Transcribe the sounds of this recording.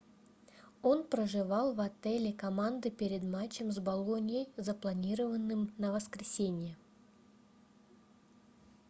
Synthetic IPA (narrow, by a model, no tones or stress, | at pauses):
o̞npɾəʐɨvɑlˠvɐt̪ɛlʲɪkɐmand̪ɨpʲeɾʲɪd̪mat͡ɕːɪmzbɐlˠonʲɪjəjzəplˠɐnʲiɾəvənːɨmnəvəskɾʲɪsʲenʲɪjə